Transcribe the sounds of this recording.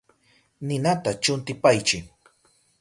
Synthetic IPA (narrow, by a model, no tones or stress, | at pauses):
nɪnat̪at͡ʃʊnt̪ɪpajt͡ʃɪ